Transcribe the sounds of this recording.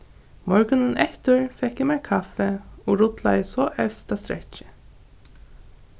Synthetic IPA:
mɔɹɡənənʔɛt̪əɹfɛkjəmæːkʰɑfəoːɾʊt̪lɑ̰əsɔʔœʋst̪ɑst̪ɾɛ̰çə̥

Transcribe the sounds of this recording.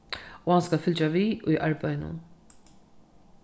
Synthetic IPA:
uɐnsɡɐfɪld͡ʒɐviːʊjɪʔɐɾbɐjnṵm

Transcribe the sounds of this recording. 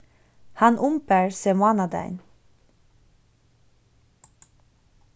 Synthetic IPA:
hɑnʔʊmpəɹseːmʊɑːnɑd̪æ̰ɪn

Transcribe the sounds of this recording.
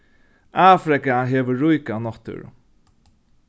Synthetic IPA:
aːfɾɪkaɦeːʋəɹʊjkanɔt̪ə̰ɹ̰

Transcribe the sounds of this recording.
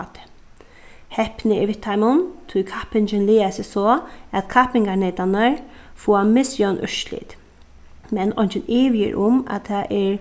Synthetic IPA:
t̪ɪ̥ | hɛhpnɪɪʋɪt̪ʰːajmʊnt̪ʰʊkʰapɪnt͡ʃɪnliːasɪsɔːæt̪kʰapɪŋɡanɛːt̪anəɹ | fuamɪsjɔnʔʏ̰ʃlḭːt̪ | mɛnɔjnt͡ʃɪneːʋɪjɪ̰ɹʔʊma̰t̪ʰaʔɪɹ

